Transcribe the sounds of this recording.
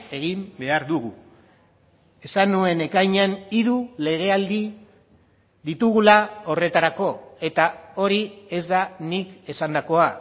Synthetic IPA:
e̞ɣimbe̞aɾðuɣ̞u | e̞sanue̞ne̞kajɲaniðule̞ɣe̞ald̪i | ðit̪uɣulao̞re̞t̪aɾako̞e̞t̪ao̞ɾie̞zðanike̞sand̪ako̞a

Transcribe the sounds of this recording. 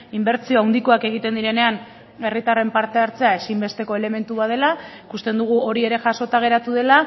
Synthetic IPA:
imbe̞ɾt͡sio̞awnd̪iko̞ake̞ɣ̞it̪e̞nd̪iɾe̞ne̞an | e̞rit̪are̞mpaɾt̪e̞aɾt͡se̞ae̞simbe̞st̪e̞ko̞e̞le̞me̞nt̪uβaðe̞laikust̪e̞nd̪uɣ̞uo̞ɾie̞ɾe̞ʝaso̞t̪aɣ̞e̞ɾat̪uðe̞la

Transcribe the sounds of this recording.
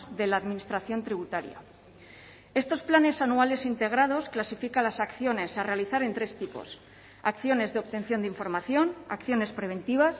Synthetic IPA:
ðe̞laːðmĩnist̪ɾaθjo̞nt̪ɾiβ̞ut̪aɾja̰ | e̞st̪o̞splane̞sanuale̞sint̪e̞ɣ̞ɾað̞o̞sklasifikanlasakθjo̞ne̞sare̞aliθaɾe̞nt̪ɾe̞st̪ipo̞̰s | akθjo̞ne̞zðeopt̪e̞n̟θjo̞nd̪iɱfo̞ɾmaθjo̞na̰kθjo̞ne̞spɾe̞β̞e̞nt̪iβ̞as

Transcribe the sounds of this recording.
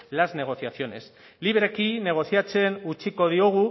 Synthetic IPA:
lazne̞ɣ̞o̞θjaθjo̞ne̞̰s | liβɾekine̞ɣ̞o̞θjat͡se̞nut͡ʃiko̞ð̞ioɣ̞u

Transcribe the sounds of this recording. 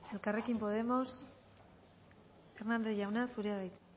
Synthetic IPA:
e̞lkare̞kimpo̞ð̞e̞mo̞s | e̞ɾnald̪e̞ʝawnasuɾeaβajt̪

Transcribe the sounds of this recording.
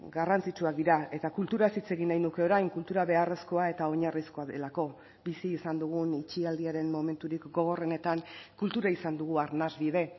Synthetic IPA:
ɡarant͡sit͡ʃuak̚d̪iɾae̞t̪akult̪uɾaesit͡se̞ɣinajnuke̞o̞ɾajŋkult̪uɾaβe̞are̞sko̞ae̞t̪ao̞ɲarisko̞aðe̞lako̞ | bisiːsand̪uɣ̞unit͡ʃiald̪iaɾe̞nmo̞me̞nt̪uɾikɡo̞ɣ̞o̞re̞ne̞t̪aŋkult̪uɾaisand̪uɣ̞uaɾnazβið̞e̞

